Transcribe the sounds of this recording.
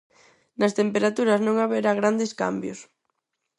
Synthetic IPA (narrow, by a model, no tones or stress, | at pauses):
nɐst̪empeɾat̪uɾɐznõŋaβeɾaɣɾand̪eska̰mbjʊs